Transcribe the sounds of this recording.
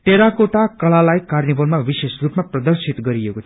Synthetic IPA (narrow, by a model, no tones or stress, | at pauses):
t̪eɾakoʈakʌlalajkarnibʌlmabisesrupmaprʌd̪ʌrsit̪ɡʌɾiekot̪ʰ